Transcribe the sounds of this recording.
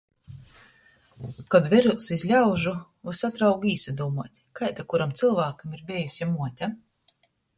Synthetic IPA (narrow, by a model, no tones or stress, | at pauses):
kad̪vʲɛɾusizʲlʲawʒu | asat̪ɾawɡiːsad̪uːmuɔt̪ʲkajt̪akuɾamt̪sɨlˠvaːkamiɾbʲejusʲjamuɔt̪ʲa